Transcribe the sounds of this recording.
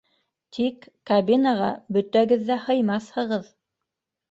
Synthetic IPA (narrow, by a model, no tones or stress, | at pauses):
t̪ʰikːabʲinaʁɑ̰bɵ̆t̪æɡɘðːæhɤ̆jmɑθhɤ̆ʁɤð